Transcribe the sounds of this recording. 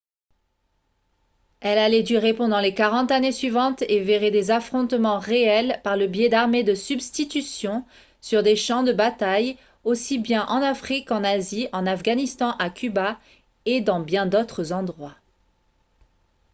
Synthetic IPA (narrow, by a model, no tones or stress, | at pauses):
ɛlalɛd̪yʁepɑ̃d̪ɑ̃lekaʁɑ̃t̪anesɥivɑ̃t̪eveʁed̪ezafχɔ̃t̪mɑ̃ʁeɛlpaʁləbjɛd̪aʁmed̪əsybst̪it̪ysjɔ̃ | syʁd̪eʃɑ̃d̪əbat̪aj | osibjɛ̃ʔɑ̃nafχikɑ̃naziɑ̃nafɡanist̪ɑ̃ʔakʰʲyba | ed̪ɑ̃bjɛ̃d̪ot̪χəzɑ̃d̪ʁwa